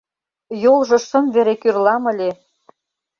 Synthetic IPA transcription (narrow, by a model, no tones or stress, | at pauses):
jolˠʒɤ̆ʃə̆mveɾekyrlɑmə̆lʲe